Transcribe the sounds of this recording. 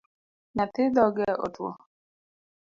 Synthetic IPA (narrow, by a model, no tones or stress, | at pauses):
nat̪ɪd̪ɔɡɛʔo̰twɔ̰